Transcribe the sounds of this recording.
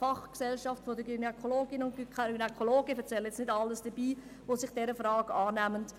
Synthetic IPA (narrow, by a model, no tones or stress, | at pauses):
fɑχksɛlʃɑftfodəɡynɛkʰoloːɡɪnʊntɡ̥ykynɛkʰoloːɡəfɛɾt͡sɛljɛt͡snɪdɑlːəsd̥əbiː | ʋosɪχd̥ɛɾəfɾɑːɡɑːnæmənt